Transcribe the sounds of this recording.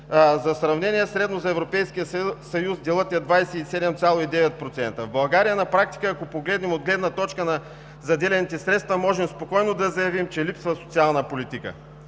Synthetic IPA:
zɐsɾɐvnɛniɛsɾɛd̪nozɐɛvɾopɛjskijəsɐjuzd̪ɛlˠɤt̪ɐd̪vajsɛisɛd̪ɛmt̪sʲalˠoid̪ɛvɛt̪̚pɾot̪sɛnt̪əvbɐlˠɡaɾijənɐpɾak̚t̪i̥kəɐkopoɡlɛd̪nɛmod̪ɡlɛd̪nɐt̪ɔt͡ʃkənɐ | zɐd̪ɛlɛnit̪ɛsɾɛt̪st̪vɐmɔʒɛmspokɔjnod̪ɐzɐjɐvimt͡ʃɛlipsvɐso̥t̪sialˠnəpolit̪ikə̰

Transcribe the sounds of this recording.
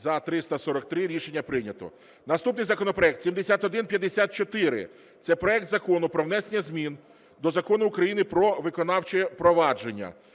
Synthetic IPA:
zɐt̪ɾɪst̪ɐsɔɾɔk̚t̪ɾɪɾʲiʃenʲːɐpɾɪnʲɐt̪ɔ̰ | nɐst̪upnɪjzɐkɔnɔpɾɔɛk̚t̪sʲimd̪esʲat̪ɔd̪ɪnpʲjɐd̪ːesʲat̪̚t͡ʃɔt̪ɪɾɪ̰ | t̪sɛpɾɔɛkt̪zɐkɔnʊpɾɔʋnɛsenʲːɐzʲmʲin | d̪ɔzɐkɔnʊːkɾɐjinɪpɾɔʋɪkɔnɑwt͡ʃeɛpɾɔʋɑd͡ʒenʲːɐ̰

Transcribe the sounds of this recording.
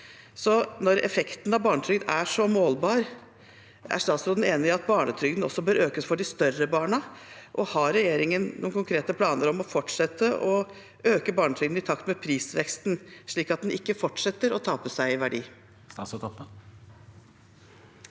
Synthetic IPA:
sɔnɔɾɛ̰fɛkt̪n̩ɑʋbɑːɳət̪ʰɾʏɡd̪æʂɔmoːlbɑːɾ | ʔæ̰ʂt̪ɑːt̪sɾoːd̪n̩eːnɪɪɑt̪̚bɑːɳət̪ʰɾʏɡd̪n̩ɔsːɔbøːɾʔøːkəsfɔɖɪst̪œrəbɑːɳəʔɔhɑɾɛjeːɾɪŋənnuːnkʰʊŋkʰɾeːt̪əpʰlɑːnəɾɔmɔfɔʈʂɛt̪ʰːəʔɔ | øːkəbɑːɳət̪ʰɾʏɡd̪n̩ɪt̪ʰɑkt̪mɛpʰɾiːsʋɛkst̪nʂɭiːkɑt̪̚d̪ɛnʔɪkːəfɔʈʂɛt̪ːəɾɔt̪ʰɑːpəsæɪɪʋæɖḭː | ɑst̪ʰɑpə

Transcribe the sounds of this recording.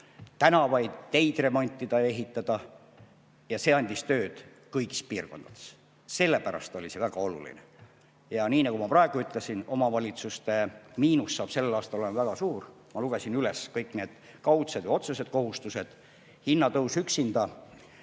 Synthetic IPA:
t̪ænɑvɑjd̪̥t̪e̞jd̪̥re̞mo̞nʲt̪ʲːˑid̪ɑeɦit̪ːˑɑd̪̥ɑ | jɑse̞ɑnʲd̪̥ʲist̪ø̞ːd̪̥ | kɤjɡi̥spiːrko̞nd̪ɑd̪̥e̥s | se̞lːe̞pæɾɑ̰st̪olʲise̞væɡ̥ɑo̞lṵlḭnḛ | jɑniːnɑkumɑprɑe̞ɡ̥uyt̪ːˑlesino̞mɑvɑlʲit̪sust̪e̞miːnusːɑːb̥se̞lːelɑːst̪ɑlolemɑvæɡ̥ɑsuːr | mɑluɡ̥esinyleskɤjkːˑne̞ːd̪̥ | kɑwt̪sevejo̞t̪suse̞d̪̥ko̞ɦust̪use̞d̪̥ | hinːɑt̪ɤwsyksind̪̥ɑ

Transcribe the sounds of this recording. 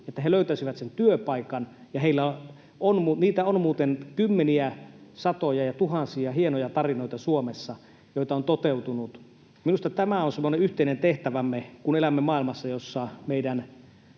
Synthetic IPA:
et̪ːæɦeløyt̪æsiʋæt̪sent̪yøpɑikɑn | jɑheilːæ | onmuniːt̪æonmuːt̪enkymːeniæsɑt̪ojɑjɑt̪uhɑsiɑhienojɑt̪ɑrinoˑit̪ɑsuomesːɑ | joˑit̪ɑont̪ot̪eut̪unut̪ | minust̪ɑt̪æmæonsemːoneyht̪eˑinent̪eht̪æʋæmːekunelæmːemɑːˑilmɑsːɑjosːɑmeidæn

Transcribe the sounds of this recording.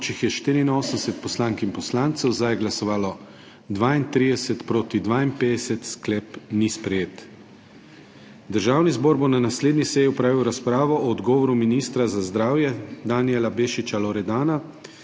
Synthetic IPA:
t͡ʃixjɛʃt̪iːɾiːnoːsəmsɛt̪̚pɔslaŋkimpɔslaːnt̪sɛwzd̪ajɛɡlasɔʋaːlɔ | d̪ʋaːint̪ɾiːd̪ɛsɛt̪pɾoːt̪id̪ʋaːimpeːd̪ɛsɛt̪sklɛːpnispɾɛjeːt̪ | d̪əɾʒaːwnizboːɾbonanasleːd̪nisɛjiɔpɾaːʋiwɾaspɾaːʋɔʔɔːd̪ɡɔːʋɔɾuminist̪ɾazazd̪ɾaːwjɛd̪aniɛlabeːʃit͡ʃalɔɾɛd̪aːna

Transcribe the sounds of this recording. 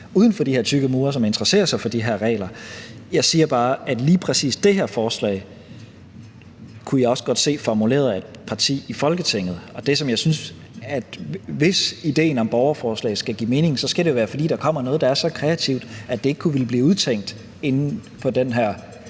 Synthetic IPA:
uːð̞ˠn̩fɒ̽d̥iheɐ̰t͡sʰyɡ̥əmuːɐs̬ɒ̽me̝nd̥ʁɐse̝̰ːɐsɑ̈ɪfɒ̽d̥iɦeɐ̰ʁɛ̰ːlɐjɑ̈ɪsiːɐb̥ɑ̈ːæd̥liːpʰʁɛsḭːsd̥e̝ɦeɐ̰fɒːslɛ̰ɪ | kʰujɑ̈ɪɒ̽səɡ̥ɒ̽d̥se̝̰ːfɒmule̝̰ːɐð̩ˠæd̥̚pʰɑ̈t͡sʰḭːifɒ̽lɡ̥ət͡sʰeŋ̰ð̩ˠɒ̽d̥e̝sɒ̽mjɑ̈ɪsyns | æd̥ʋe̝sid̥e̝̰ːnɒ̽mb̥ɒʊɐfɒːslɛ̰ɪsɡ̥æɡ̥ḭːme̝ːne̝ŋ̩sɒ̽sɡ̥æɾ̥e̝joæːɐfɒ̽d̥ḭːd̥ɑ̈kʰɒ̽m̰ɐnɔ̽ːð̞̩ˠdɑ̈æɐsɒ̽kʰʁɛæt͡sʰiʊd̥æd̥e̝e̝ɡ̥ə̥kʰuʋe̝lb̥liːuð̞ˠt͡sʰeŋ̰d̥ | e̝nn̩pʰɒ̽d̥enɦæɐ̰

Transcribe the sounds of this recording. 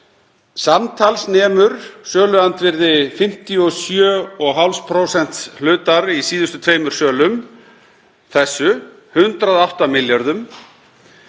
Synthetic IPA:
samt̪ʰalsnɛːmʏɾ̥sœːlʏant̪vɪɾðɪfɪm̥t̪iɔsjœːɔɣɦawlspʰɾowsɛn̥t̪slʏːt̪aɾisiːðʏst̪ʏt̪ʰveːjmʏɾ̥sœːlʏm | θɛsːʏ | hʏnt̪ɾaðawht̪amɪljaɾðʏm

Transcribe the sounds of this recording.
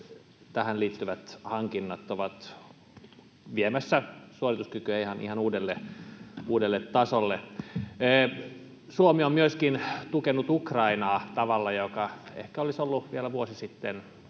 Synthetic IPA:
t̪æhænliːt̪ːyʋæt̪hɑŋkinːɑt̪ːoʋɑt̪ | ʋiemæsːæsuorit̪uskykyæihɑnḭhɑnuːdelːe | uːdelːet̪tɑsolːeː | suomiommyøskint̪ukenːˑut̪ukrɑinɑːt̪ɑʋɑlːɑjokɑḛhkæolisolːuʋielæʋuosisit̪ːen

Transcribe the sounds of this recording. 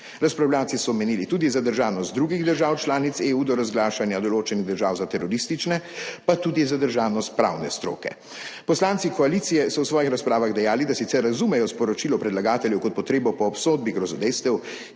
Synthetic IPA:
ɾaspɾawljaːwtsisɔmɛniːlit̪uːd̪izad̪əɾʒaːwnɔst̪̚d̪ɾuːɡiɣd̪əɾʒaːwt͡ʃlaːnit̪seːuːd̪ɔɾazɡlaːʃanjad̪ɔloːt͡ʃɛniɣd̪əɾʒaːwzat̪ɛɾɔɾist̪it͡ʃnɛpat̪uːd̪izad̪əɾʒaːwnɔst̪̚pɾa̰ːwnɛ̰st̪ɾo̰ːkɛ̰ | pɔslaːnt̪sikɔaliːt̪sijɛsɔwsʋɔːjixɾaspɾaːʋaɣd̪ɛjaːlid̪asit̪sɛɾːazumɛjɔspɔɾɔt͡ʃilɔpɾɛd̪laɡaːt̪ɛljɛwkɔt̪pɔt̪ɾeːbɔpɔːpsoːd̪̚biɡɾɔzɔd̪ɛjst̪ɛw

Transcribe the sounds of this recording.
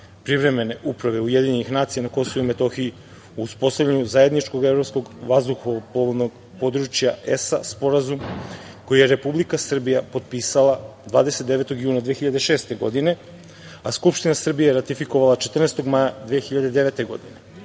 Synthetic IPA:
pɾivɾe̞me̞ne̞ʔupɾaʋe̞ujed̪iɲenixnaːt̪sijanako̞so̞ʋuime̞t̪o̞xii | uːspo̞st̪avʎʲeɲuzaje̞d̪nit͡ʃko̞ɡevɾo̞psko̞ɡʋazd̪uxoʋopoβonoɡ | po̞d̪ɾut͡ʃjaesaspo̞ɾazumko̞jijeɾe̞publikasr̩bijapo̞t̪̚piːsalˠad̪vaːd̪e̞set̪d̪e̞ʋe̞t̪o̞ɡjuːnad̪ʋeːxiʎad̪eʃe̞ːst̪e̞ɡo̞̰d̪ine̞ | askupʃt̪inasr̩bijajeɾat̪ifiko̞ʋalˠat͡ʃet̪r̩neːst̪o̞ɡmajad̪ʋeːxiʎad̪ed̪e̞ʋet̪e̞ɡo̞̰d̪ine

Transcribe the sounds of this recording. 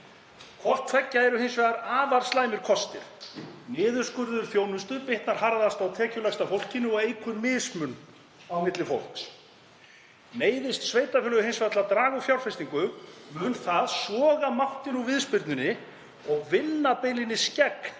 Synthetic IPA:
kʰɔr̥t̪fɛcːaɛɾʏɦejnsvɛːðaɾaːvaɾ̥slaːjmɪɾ̥kʰɔst̪ɪ̰ɾ̥nɪːðʏɾ̥skʏɾðʏɾ̥θjoːwnʏst̪ʏpɪht̪naɾ̥haɾðast̪awt̪ʰɛːcʏlajst̪afowl̥cɪnɪɔɣeːjkʰʏnmɪðsmʏn | awmɪt̪lɪfowl̥ks | neːjðɪst̪sveːjt̪afɪːlʏɣʏhejnsvɛðt̪lat̪ɾaːɣufjawl̥fɛjst̪iŋkʏmʏnθaðsvɔːɣamawht̪ɪnuvɪðspɪɾt̪nʏnɪ | ɔɣvɪnːapejlɪnːɪscɛk̪

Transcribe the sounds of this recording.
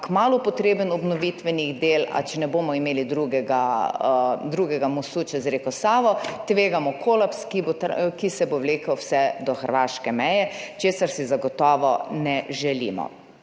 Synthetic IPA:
kmaːlɔpɔt̪ɾeːbənɔbnɔʋit̪ʋɛniɣd̪eːla̰t͡ʃɛnɛboːmɔimeːlid̪ɾuɡɛɡa | d̪ɾuːɡɛɡamɔsuːt͡ʃɛzɾekɔsaːʋɔt̪ʋeːɡamɔkʰoːlapskibot̪kisɛbowleːkɐwwsɛd̪ɔxəɾʋaːʃkɛmɛjɛt͡ʃeːsaɾsizaɡɔt̪ɔːʋɔnɛʒɛlḭːmɔ̰

